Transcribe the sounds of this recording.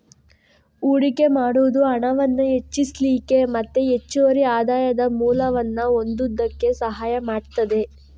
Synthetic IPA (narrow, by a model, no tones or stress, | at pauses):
uːɽike̞maːɽuʋd̪uɐɳɐʋɐnːɐe̞t͡ʃːisliːke̞mɐt̪ːeet͡ʃːuʋɐɾiaːd̪aːjɐd̪ɐmuːlɐʋɐnːɐo̞nd̪ud̪ːɐkːe̞sɐɦaːjɐmaːɽt̪ɐd̪e̞